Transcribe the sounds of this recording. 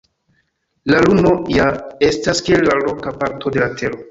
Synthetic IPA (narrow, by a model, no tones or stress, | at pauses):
laluno̞jaestaskielːalokapaɾtʰo̞de̞latʰe̞ɾo̞